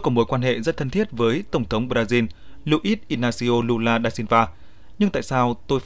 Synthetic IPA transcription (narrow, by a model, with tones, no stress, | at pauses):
kɔ˨˦mo˨˦jkwaː˧nɦḛ˧˨zə˦˥t̚t̪ʰə˧nt̪ʰi˦˥ət̚vəː˨˦jt̪ə˧˩wŋ͡mt̪ʰə˨˦wŋ͡mɓɾaː˧zi˧n | lu˧ʔi˦˥t̚ʔi˧naː˧si˧ʔo˧lu˧laː˧ɗaː˧si˧nvaː˧˩ | ɲɨ˧ŋt̪a̰ː˧˨jsaː˧wt̪o˧j